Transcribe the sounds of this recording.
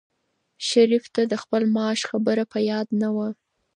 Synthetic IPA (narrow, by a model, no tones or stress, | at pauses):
ʃaɾift̪ad̪əxpəlmɑʃxabəɾapəjɑd̪nawa